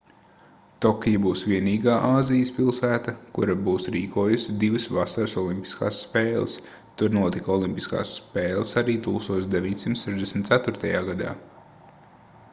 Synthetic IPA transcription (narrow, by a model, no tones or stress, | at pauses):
t̪ɔkʲijabuːsʋiɛniːɡaːʔaːzijəspilˠsæːt̪akuɾabuːsɾiːkʰuɔjusid̪ivɨsvasaɾsɔlˠimpʲi̥ska̰ːsːpeːlˠə̰s | t̪uɾnuɔt̪ikɔlˠimpiska̰ːsːpeːlˠəsaɾiːt̪uːkst̪uɔt̪sd̪eʋʲiɲsimt̪sɛʒd̪esm̩t̪sæt̪ʊɾt̪ajaːɡad̪a̰ː